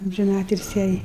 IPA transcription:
ɐmʲʒʲɪˈnɑːtʲɪlʲsʲɪ jɛɪ

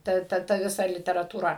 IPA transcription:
ˈtɐ ˈtɐ tɐ ˈʋʲɪsɐ lʲɪtʲɛrɐtuːˈrɐ

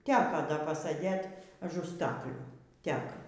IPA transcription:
ˈtʲæːkɐ ˈdɐ pɐˈsɘdʲeːt ɐˈʒʊ ˈstɑːklʲuː ˈtʲɛk

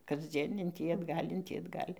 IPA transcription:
kɐzʲˈd͡zʲiɛn ɪn ˈtʲiː ɐdˈɡɐlʲ ɪn ˈtʲiː ɐdˈɡɐlʲ

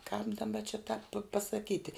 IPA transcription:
kɑːp dɐˈbɐ t͡ʃʲɪ tɑːp pɐsɐˈkʲiːtʲɪ

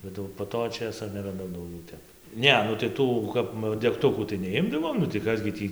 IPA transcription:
bʲɛt ˈjɛʊ poː ˈtoː ˈt͡ʃʲeːsoː nʲɛrɐˈdɐʊ dɐʊˈɡʲɛʊ ˈtʲɛp ˈnʲɛ nʊ tɐɪ ˈtuː kɐp dʲɛkˈtʊkuː tɐɪ nʲɛˈɪmdɐʋoːm nʊ tɐɪ ˈkɐs ɡʲɪ ˈtʲiː

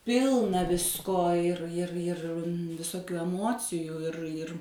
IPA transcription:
ˈpʲɪlˠnɐ ˈʋʲɪskoː ɪr ɪr ɪr ʋʲɪsoːˈkʲuː ɛˈmoːt͡sʲɪjuː ɪr ɪr

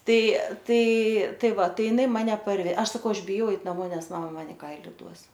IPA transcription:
ˈtɐɪ ˈtɐɪ ˈtɐɪ ˈʋɐ ˈtɐɪ jɪˈnɐɪ ˈmɑːnʲɛ pɐrʲˈʋʲɛ ˈɐʃ sɐˈkɐʊ ˈɐʃ bʲɪˈjɛʊ ˈɛɪt nɐˈmoː ˈnʲɛs mɐmɐ ˈmɐn ɪ ˈkɐɪlʲɪ ˈduɔs

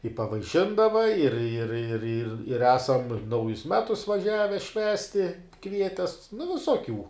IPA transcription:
ɪ pɐʋɐɪˈʃʲɪndɐʋɐ ɪr ɪr ɪr ɪr ɪr ˈæːsɐm ˈnɐʊjʊs ˈmʲæːtʊs ʋɐˈʒʲæːʋʲɛ ˈʃʲʋʲæːsʲtʲɪ ˈkʋʲiɛtʲɛs nʊ ʋʲɪsoːˈkʲuː

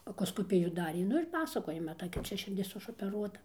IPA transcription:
ɐkoːskoːˈpʲɪjuː ˈdɑːrʲeː ˈnʊ ɪr ˈpɑːsɐkoːjɛ mɐˈtɐɪ kɐt ˈt͡ʃʲɛ ʃʲɪrʲˈdʲɪs ɪʃoːpʲɛˈruɔtɐ

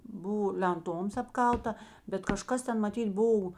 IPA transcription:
ˈbʊʋoː lʲɛnˈtoːms ɐpˈkɐlˠtɐ bʲɛt kɐˈʃkɐs ˈtʲɛn mɐˈtʲiːt ˈboːw

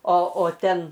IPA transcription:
oː oː ˈtʲɛn

